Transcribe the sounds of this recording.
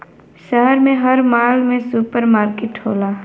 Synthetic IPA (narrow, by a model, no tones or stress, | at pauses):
ʃəɦɛɾmẽɦɐɾmaːlmẽsuːpəɾmaːɾkɪʈɦo̰ːlaː